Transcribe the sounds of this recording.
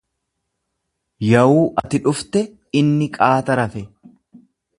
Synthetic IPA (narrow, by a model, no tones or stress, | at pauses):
jɐwuːʔɐt̪ɪᶑʊft̪ɛ | ɪnːɪkʼaːt̪ɐɾɐfɛ